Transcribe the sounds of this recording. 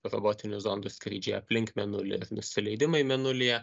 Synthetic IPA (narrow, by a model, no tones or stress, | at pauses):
ɾoːboːt̪ʲɪnʲʊzoːnd̪ʊskɾʲiːd͡ʒʲeːjɛɐpʲlʲɪŋkmʲɛnʊlʲɪ̰ɪɾnʊsʲɪlʲɛɪd̪ʲɪmɐɪmʲɛnʊlʲɪjɛ